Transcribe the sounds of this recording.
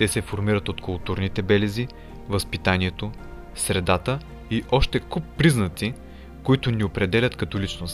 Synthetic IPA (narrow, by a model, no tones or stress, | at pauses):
t̪ɛsɛfoɾmiɾət̪ot̪kʊlˠt̪uɾnit̪ɛbɛlɛzi | vəspit̪aniɛt̪o | sɾɛd̪at̪ə | iʔɔʃt̪ɛkupːɾiznət̪si | koit̪ʊniopɾɛd̪ɛlʲət̪kɐt̪olit͡ʃnost̪